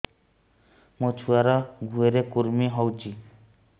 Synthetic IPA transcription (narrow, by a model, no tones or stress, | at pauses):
mot͡ʃʰuaɾɔɡʱueɾekuɾmiɦɔwt͡ʃʰi